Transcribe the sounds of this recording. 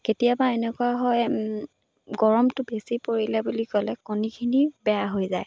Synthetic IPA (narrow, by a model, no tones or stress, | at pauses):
ketijabaenɛkuaɦɔj | ɡɔɹɔmtʊbesipoɹilɛbulikɔlɛkonikʰinibɛjaɦojzaj